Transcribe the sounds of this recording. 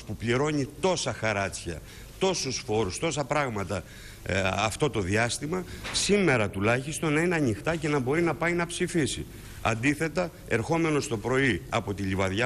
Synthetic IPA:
pupliɾo̞ɲit̪o̞sɐxɐɾɐt͡sçɐ̰ | t̪o̞susfo̞ɾust̪o̞sɐpɾɐɣmɐt̪ɐ | ɐft̪o̞t̪o̞ðiɐst̪imɐsime̞ɾɐt̪ulɐçist̪o̞nːɐineɐnixt̪ɐce̞nɐbo̞ɾinɐpɐjnɐpsifisḭ | ɐ̰nd̪iθe̞t̪ɐ | e̞ɾxo̞me̞no̞st̪o̞pɾo̞iɐ̰po̞t̪iʎivɐðʝɐ

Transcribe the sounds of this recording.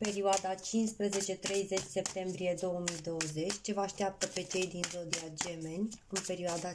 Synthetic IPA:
pe̞ɾioad̪at͡ʃinspɾeze̞t͡ʃe̞t̪ɾe̞jze̞t͡ʃʲse̞p̚t̪e̞mbɾije̞d̪o̞wəmid̪o̞wəze̞t͡ʃʲt͡ʃe̞vaaʃt̪iap̚t̪əpe̞t͡ʃe̞jd̪inzod̪iad͡ʒe̞me̞nʲɨnpe̞ɾioad̪a

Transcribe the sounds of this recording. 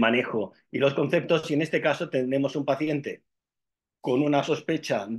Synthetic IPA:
mane̞xo̞ | ilo̞sko̞nθe̞p̚t̪o̞sie̞nest̪e̞kaso̞t̪ene̞mo̞sumpaθje̞nt̪e̞ | ko̞nunaso̞spe̞t͡ʃa

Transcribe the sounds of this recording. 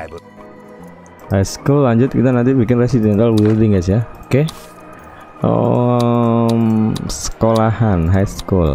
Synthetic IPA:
hajskulːaɲd͡ʒʊt̪̚kit̪anant̪ibikɪnresid̪imɛnt̪alwildɪŋɡasjaoke | o̰ | msə̥kolahanɦajskul

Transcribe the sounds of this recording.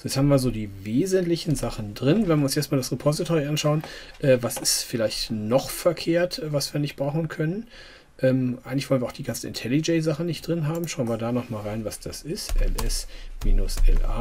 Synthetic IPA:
jɛt͡shaːmviːɐzoːdiːveːzəntlɪçn̩zaχn̩dʁɪnvɛnviɐʊnsjɛɐstmaːldasʁepʰɔzitʰoːʁiʔanʃaʊənʔɛːvasɪsfɪlaɪçtnɔχfɛɐkʰeːɐtɛvasv̥iːɐnɪçt̚b̥ʁaʊxn̩kʰœnən | ʔɛːmʔaɪɡŋ̩lɪçv̥ɔlənvɐaʊd̥iːɡant͡sn̩ʔɪ̰ntʰɛlid͡ʒɛzaχən̩nːɪçt̚d̥ʁɪnɦaːbm̩ʃaʊənviːɐdaːnɔχmaːlʁaɪnvasd̥asɪstʔɛ̰lʔɛsmḭːnʊsʔɛ̰lʔa̰ː

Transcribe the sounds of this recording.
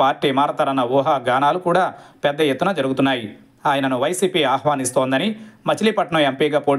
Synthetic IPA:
aːɾʈːiːmaːɾɐt̪ɐɾɐnːɐʋuːɦaːɡaːnaːlukuːɽaːpɛd̪ːɐjet̪ːunɐd͡ʒɐɾuɡut̪unːaːji | aːjɐnɐnuʋɐjsiːpiːaːhʋaːnist̪oːnd̪ɐnimɐt͡ʃiliːpɐʈɐɳɐmempiːɡaːpo̞ː

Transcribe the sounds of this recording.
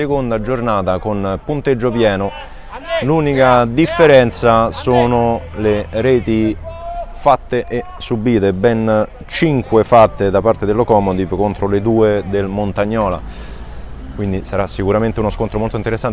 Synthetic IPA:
ekond̪ad͡ʒornaːt̪akonpunt̪ed͡ʒːopjɛːno | luːnikad̪ifːeɾɛnt̪sasoːnoleɾɛːt̪i | fat̪ːeʔe | subiːt̪ebɛn | t͡ʃiŋkwefat̪ːed̪apart̪ed̪elokɔːmod̪ivkont̪ɾoled̪uːed̪elmont̪aɲːɔːla̰ | kwind̪isaɾasːikuɾament̪eunoskont̪ɾomolt̪oint̪eɾesːan

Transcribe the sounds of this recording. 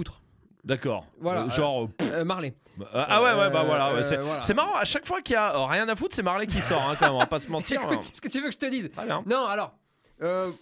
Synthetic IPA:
ut̪χ | d̪akɔ̰ːʁvwalaʒɑ̃ʁømaʁle | ʔawɛwɛbavwalawɛsɛwasɛmaʁɑ̃aʃakfwakʲiaøʁjɛ̃nafut̪χsɛmaʁlɛk̬ʲisɔʁɛ̃kɑ̃mɛmpasəmɑ̃t̪iʁt̪ɛsə̥kət̪yvøkəʒət̪əd̪izχɛbjɛ̃nɔ̃alɔʁ | ø

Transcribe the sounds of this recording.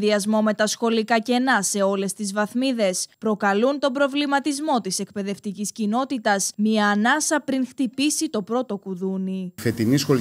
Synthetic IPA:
ðiɐzmo̞me̞t̪ɐsxo̞likɐce̞nɐse̞o̞le̞st̪izvɐθmiðe̞spɾo̞kɐlunt̪o̞bɾo̞vlimɐt̪izmo̞t̪ise̞kpe̞ðe̞ft̪iciscino̞t̪it̪ɐsmiɐːnɐsɐpɾiŋxt̪ipisit̪o̞pɾo̞t̪o̞kuðunife̞t̪inisxo̞l

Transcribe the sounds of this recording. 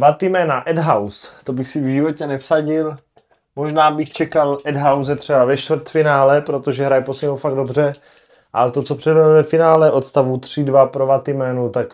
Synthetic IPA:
vat̪ɪmɛːnaʔɛdɦawst̪obɪxsɪvʒɪvocɛnɛfsaɟɪl | moʒnaːbɪxt͡ʃɛkalʔɛdɦawz̬ɛt̪r̝̥ɛbavɛʃt̪vɾt̪fɪnaːlɛpɾot̪oʒɛɦɾajposɲɛmowfaɡ̚dobr̝ɛ | ʔalɛt̪o̞t͡sopr̥ɛdbɛlovɛfɪnaːlɛʔo̞t̪st̪avut̪r̝̥ɪdvapɾovat̪ɪmɛːnut̪ak

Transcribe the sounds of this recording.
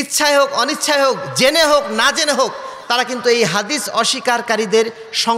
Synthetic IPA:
it̪ːɕʰaeɦokɔnit̪ːʃʰaeɦokd͡ʑeneɦoknad͡ʑeneɦok̚t̪aɾakint̪uejɦad̪isɔʃikaɾkaɾid̪eɾ | ʃɔ

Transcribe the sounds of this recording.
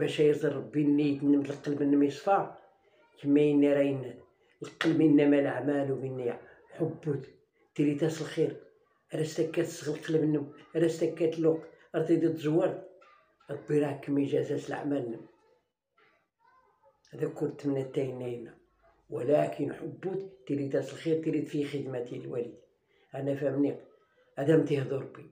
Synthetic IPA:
bæʃæjəɾzəɾˤɾˤɑbːinːit̪nːəmt̪əlqɑlmənːəmisˤfɑ | kəmːæjənːiɾæjənːæt̪ | lqːəlminːæmælə̰ʕmælwminːia | ħobːut̪ | t̪ːilit̪æslxiɾ | ʔæɾæst̪ækːæt̪sɣlqɑlmənːəmʔæɾæst̪ækːæt̪loq | ɑɾˤt̪id̪it̪zwːɑɾˤ | ʔət̪̚biɾɑkːəmiʒæzæt̪əla̰ʕmælənːəm | hæd̪ækʊɾt̪mnət̪ːæjənːæjnæ | wəlækʰənħʊbːut̪t̪ːiɾit̪æsəlxiɾt̪iɾid̪fixəd̪mæt̪ilwæ̰lid̪ | hænæfæmniq | hæd̪æmt̪ihd̪oɾbːi

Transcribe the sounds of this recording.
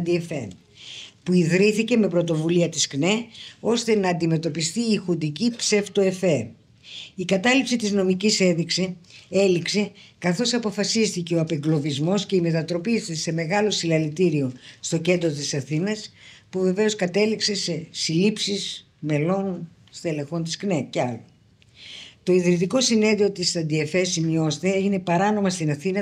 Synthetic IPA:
d̪iefḛn | puiðɾiθice̞me̞pɾot̪o̞vuliɐt̪iskne̞o̞st̪e̞nɐːnd̪ime̞t̪o̞pist̪iːxund̪icipse̞ft̪oe̞fe | ikɐt̪ɐlipsit̪izno̞micise̞ðiksie̞likse̞kɐθo̞sɐpo̞fɐsist̪ice̞o̞ɐpe̞ŋɡlo̞vizmo̞sce̞ime̞t̪ɐt̪ɾo̞pit̪ise̞me̞ɣɐlo̞silɐlit̪iɾio̞st̪o̞ce̞nd̪ɾot̪isɐθinɐspuve̞ve̞o̞skɐt̪e̞likse̞se̞silipsis | me̞lo̞n | st̪e̞le̞xo̞nt̪i̥sknece̞ɐlo | t̪o̞iðɾit̪iko̞sine̞ðio̞t̪isɐd̪iefesimio̞st̪eeʝine̞pɐɾɐno̞mɐst̪inɐθinɐ

